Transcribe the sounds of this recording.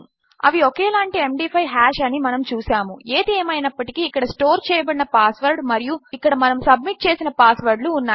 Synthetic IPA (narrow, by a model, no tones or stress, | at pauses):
ɐ̰ʋiokeːlaːɳʈiemɖiːpʰɐjɦaːʃɐnimɐnɐmt͡ʃuːsaːmue̞ːd̪eːmɐjinɐpːɐʈikiːkːɐɽɐsʈoːɾt͡ʃɛːjɐbɐɽinɐpaːsʋɐɾɖmɐɾijuikːɐɽɐmɐnɐmsɐb̚miʈ̚t͡ʃe̞ːsinɐpaːsʋɐɾɖluːnːaː